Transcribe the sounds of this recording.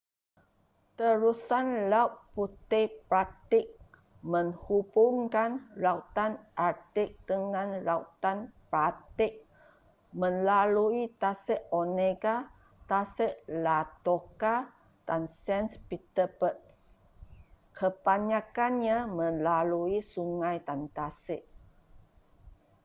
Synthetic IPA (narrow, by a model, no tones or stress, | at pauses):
t̪əɾusanlauʔ̚put̪ɛpɾat̪ɪk̚ | məŋhubʊŋkanɾaut̪anʔat̪ɪk̚d̥əŋanɾaut̪anpɾat̪ɪk̚ | mənlaluit̪asəʔoneɡa | t̪asəʔlat̪oka | d̥ansɛnspit̪əpət̪̚ | kʰəpaɲakanɲamə̃nlaluisuŋajt̪ant̪asəʔ